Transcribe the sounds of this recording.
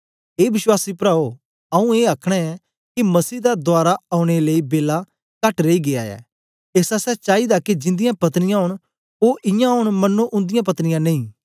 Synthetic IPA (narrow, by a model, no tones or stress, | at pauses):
eːʋɪswaːsipɾaːo | ɐũeːakʰɽ̃ɛɛ | kimɐsiːd̪ad̪ʊaːɾaɐʊ̃ɽ̃eleibeːla | kɐʈɾeiɡea̰ɛ̰ː | eːsasɛt͡ʃaːid̪akid͡ʒɪ̃nd̪ɪjãpɐt̪əñɪjãɦʊɽ̃ | oːʔɪjãɦʊɽ̃mɐnːuʔʊ̃nd̪ɪjãp̬ɐt̪nɪjãnẽĩː